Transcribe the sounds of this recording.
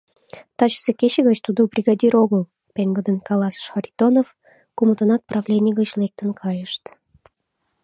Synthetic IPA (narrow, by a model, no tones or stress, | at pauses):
t̪ɑt͡ɕə̥sekeɕeɣət͡ɕt̪ud̪ubrʲiɣɑd̪ʲiɾoɣəl | peŋɡəd̪ənkɑlɑsʃxɑɾʲit̪onof | kumət̪ənɑt̪̚prɑvlʲenʲijəɣət͡ɕlek̚t̪ənkʰɑjəʃt̪